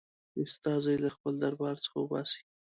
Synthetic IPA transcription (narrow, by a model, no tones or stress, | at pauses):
ʊst̪ɑzajlaxpəld̪aɾbɑɾt͡sə̥χxawəbɑ̰se̥ɡʲi